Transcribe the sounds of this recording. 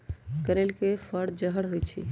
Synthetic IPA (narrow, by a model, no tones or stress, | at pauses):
kəɾelkepʰəɽd͡ʒəɦəɽɦojt͡ʃʰḭ